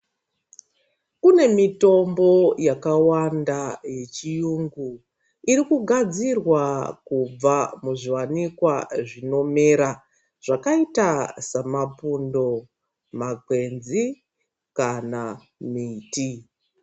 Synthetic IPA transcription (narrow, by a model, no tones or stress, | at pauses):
kune̞mito̞mbo̞jakawandaje̞t͡ʃijuŋɡu | iɾikuɡʱad͡zirwakub͡vamuʐiwanikwaʐino̞me̞ɾa | ʐ̥akaitasamapundo̞ | makwe̞nzi | kana | miːti